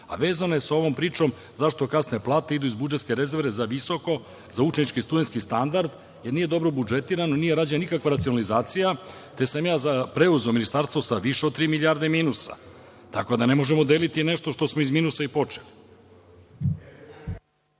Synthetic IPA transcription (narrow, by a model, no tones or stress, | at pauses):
a̰ʋe̞ːzanoje̞sao̞ʋo̞ːmpɾiːt͡ʃo̞m | zaʃt̪o̞kasneplˠaːt̪e̞id̪uizbud͡ʒet̪ske̞ɾezevɾe̞zaʋiso̞ko̞ | zaut͡ʃenit͡ʃkist̪ud̪e̞nt̪skist̪and̪aɾd̪ | je̞ɾniːje̞d̪o̞bɾobud͡ʒet̪iːɾanonije̞ɾaːd͡ʑeanikakʋaɾat̪sio̞nalizaːt̪sija | t̪e̞samjaːzapɾe̞uzeominist̪aɾst̪ʋo̞saʋiʃeod̪̚t̪ɾiːmilʎʲaɾd̪e̞miːnusa̰ | t̪ako̞d̪ane̞mo̞ʒe̞mod̪elit̪ineʃt̪o̞ʃt̪o̞smoizmiːnusaipo̞t͡ʃeli